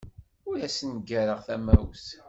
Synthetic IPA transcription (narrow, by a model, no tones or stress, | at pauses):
ʊɾæsnɡæɾəʁθæmæwθ